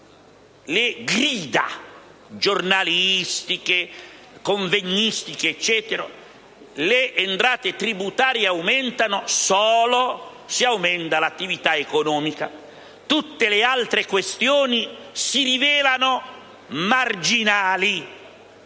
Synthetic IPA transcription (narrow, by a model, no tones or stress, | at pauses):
leɡɾiːd̪a̰ | d͡ʒornalist̪ike | koɱveɲːist̪ikeːt͡ʃːɛːt̪eɾo | leʔːnt̪ɾaːt̪et̪ɾibut̪aːɾjeawmɛnt̪anosɔːlo | siawmɛnt̪alat̪ːivit̪aekonɔːmika̰ | t̪ut̪ːelealt̪ɾekwest̪joːnisirivɛːlano | mard͡ʒinaːli